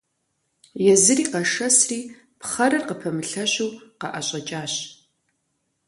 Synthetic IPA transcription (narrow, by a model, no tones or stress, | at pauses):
jɛzɨriːqɐʂɐsriː | pχɐɾɐrqəpʰɐmɨɬɐɕuːqɐʔɐɕʼɐt͡ʃʼaːɕ